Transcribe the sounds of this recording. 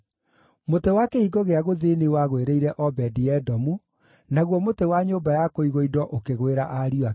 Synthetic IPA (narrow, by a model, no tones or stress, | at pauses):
motewakeiɡoɣeaɣoðeniwaɣweɾeiɾɛʔɔbɛdijɛdɔmu | naɣwɔmotewaɲoːbajakoiɣoidɔʔokeɣweɾaʔaɾia